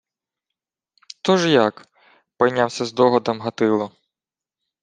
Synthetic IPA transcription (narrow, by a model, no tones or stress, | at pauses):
t̪ɔʒjak | pɔjnʲawsʲɐzd̪ɔɦɔd̪ɐmɦɐt̪ɪlˠɔ